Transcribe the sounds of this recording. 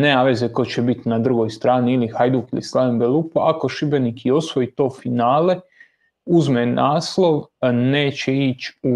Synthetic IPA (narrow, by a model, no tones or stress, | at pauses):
neaʋezeko̞t͡ɕebit̪nad̪ɾuɡo̞jst̪ɾaːniilixajd̪ukilislaʋembelupoʔako̞ʃibenikio̞sʋo̞it̪o̞ːfinaːle̞ | uzmenʔaːsloʋne̞ːt͡ɕe̞it͡ɕu